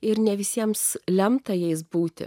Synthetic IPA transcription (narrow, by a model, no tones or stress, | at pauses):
ɪɾnʲɛʋʲɪsʲiɛmslʲɛmt̪ɐjɛɪs̬buːt̪ʲɪ̰